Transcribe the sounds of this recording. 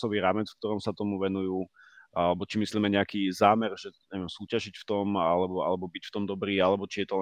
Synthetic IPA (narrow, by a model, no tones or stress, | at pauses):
sɔʋiːɾaːmɛt͡sfkt̪ɔɾɔmsat̪ɔmuʋɛnujuː | ʔalɛbɔt͡ʃimisliːmɛɲɛakiːzaːmɛrʒɛɲɛʋiɛmsuːcaʒicft̪ɔmalɛbɔa̰lɛbɔbicft̪ɔmd̪ɔbɾiːalɛbɔt͡ʃijɛt̪ɔlɛ